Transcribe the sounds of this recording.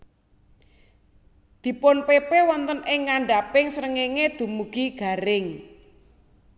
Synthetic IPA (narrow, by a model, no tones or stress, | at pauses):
d̪̥i̤pʊnpepewɔnt̪ənɪŋːaɳɖapɪŋsəɾəŋeŋed̪̥ṳmuɡ̥iɡ̥a̤ɾɪŋ